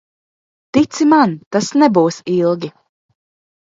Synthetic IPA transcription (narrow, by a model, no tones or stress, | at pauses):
t̪it̪simant̪asnɛbuːsilˠɡʲi